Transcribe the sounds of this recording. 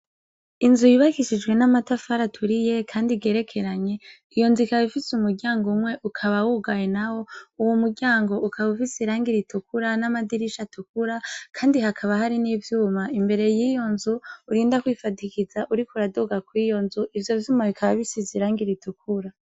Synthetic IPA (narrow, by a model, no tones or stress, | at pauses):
inzujiβakiʃid͡ʒɡwe̞namatafaɾatʰuɾije̞kʰaːndiɡe̞ːɾe̞kʰe̞ɾaɲe̞ | ijo̞nzuikaβifisumuɾɟaːŋɡomŋwe̞ʔukʰaβawuɡajenawo̞uwomuɟaːŋɡo̞ʔukʰaβufisiɾaːŋɡiɾitukuɾanamadiɾiʃatukuɾakʰaːndiɦakʰaβahaɾiniːvjuːmaimbe̞ɾe̞jiːjo̞nzuːɾiːndakwiːfadikizaʔuɾikuɾadoɡakwiːjo̞nzuʔivjo̞vjuːmaβikʰaβaβisiziɾaːŋɡiɾitukʰuɾa